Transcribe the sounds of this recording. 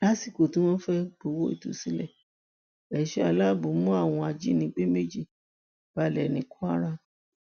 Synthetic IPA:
la˦si˦˨ko˨tũ˦w̃ɔ̃˦fɛ˦ɡ͡bo˧˨wo˦ḭ˦˨tṵ˨si˦lɛ˦˨ | ɛ˨ʃe˦a˧˨la˦˨bõ˨˦mũ˦a˦˨w̃ɔ̃˧a˧d͡ʒi˦nĩ˧˦ɡ͡be˦me˦d͡ʒi˦˨ | b̥a˧˨lɛ˨nĩ˨˧˦ku˦a˦ɾa˧

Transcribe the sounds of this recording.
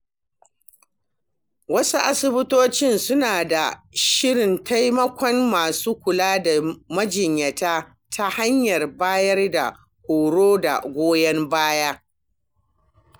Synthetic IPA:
wɐ˦su˦ʔa˦sɪ˦bɪ˦toː˦t͡ʃɪ˦nsʊ˦naː˨da˨ʃɪ˦ɽɪ˨nta˦jmɐ˦kʷɔ˦nmaː˨suː˦kʷʊ˨laː˦da˨mɐ˦d͡ʒɪ˨ɲjɐ˨taː˦ | tʰa˦ha˦ɲjɐ˨rbaː˦jɐ˦rda̰˨ | kʷoː˨ɽoː˦da̰˨ɡʷoː˦jɐ˦mbaː˦jaː˦

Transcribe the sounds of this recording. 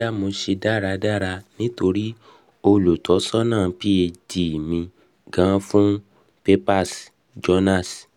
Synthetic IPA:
a˦mo˧ʃe˧da˦˨ɾa˧da˦˨ɾa˧nĩ˦to˧ɾi˦ | o˧lo˨tɔ˨˦sɔ˦nãː˦˨pi˦e˧di˨mĩ˧ | ɡã˨˦fũ˦ | pe˦pa˦˨s | d͡ʒɔ˧˦nã˦˨s

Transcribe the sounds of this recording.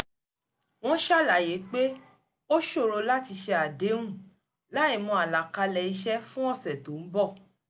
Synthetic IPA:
w̃ɔ̃˦ʃa˦˨la˨je˨˦k͡pe˦ | o˦ʃo˦˨ɾo˧la˦ti˧ʃe˧a˨dẽ˨˦ũ˦˨ | la˦i˦˨mɔ̃˧a˨la˨ka˧lɛ˨i˧ʃɛ˦fũ˦ɔ̃˦˨sɛ˨to˨˦m̩˦bɔ˦˨

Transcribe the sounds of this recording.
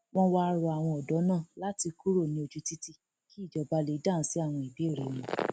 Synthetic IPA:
w̃ɔ̃˧wa˧a˧ɾɔ˧a˨w̃ɔ̃˧ɔ˨dɔ˨˦nãː˦˨la˦ti˧ku˦ɾo˦˨nĩ˧˦o˧d͡ʒu˦ti˦ti˦ | ki˦i˦˨d͡ʒɔ˧ba˧˦le˨˦dã˦˨n̩˦si˦a˦˨w̃ɔ̃˧i˨bi˨˦e˦˨ɾe˨nĩ˨

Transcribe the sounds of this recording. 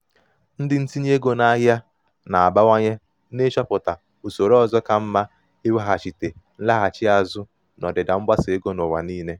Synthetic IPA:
n̩˦dɪ˨n̩˦ti˦ɲ˦e˦ɡo˨na˦ɦja˦ | na˨a˨ba˦wa˦ɲe˦ | ne˦ʃɔ˦pʊ˨ta˨ | u˨so˨ɾo˦ɔ˨zɔ˦ka˨m̩˦ma˦ | e˦we˦ɦa˨t͡ʃi˨te˨n̩˦la˦ɣa˨t͡ʃɪ˦a˨zʊ˦ | nɔ˨dɪ˨da˨m̩˦ba˦sɪ˨e˦ɡo˦no˨wa̰˨niː˦ne˦

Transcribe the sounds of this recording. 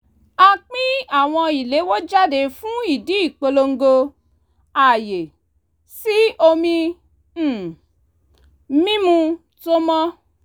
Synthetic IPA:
a˧k͡pĩ˦a˦˨w̃ɔ̃˧i˨le˨˦wo˦d͡ʒa˦de˨˧fũ˦i˦˨di˨˦i˦˨k͡po˧lo˧ŋ̩˦ɡo˧ | a˨je˨ | si˦o˧mĩ˧˦˨ | mĩ˦mũ˧ | to˦mɔ̃˦

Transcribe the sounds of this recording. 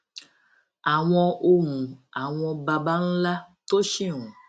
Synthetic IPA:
a˨w̃ɔ̃˧o˧mũ˨a˨w̃ɔ̃˧ba˧ba˦n̩˦la˦to˦ʃĩ˦˨ũ˨

